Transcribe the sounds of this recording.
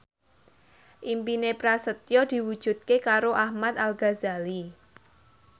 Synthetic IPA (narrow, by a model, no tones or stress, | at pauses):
ʔimpinepɾasət̪jɔd̪̥i̤wud̥ʒ̥ṳt̪̚kekaɾoʔahmat̪̚alɡazali